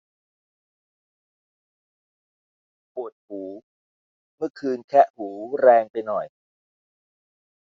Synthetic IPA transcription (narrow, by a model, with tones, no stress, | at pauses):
pu˨˩ət̪̚huː˩˦ | mɯ˥˩əkʰɯː˧nkʰɛ˦˥ʔhuː˩˦ɾɛː˧ŋpa˧jnɔ˨˩j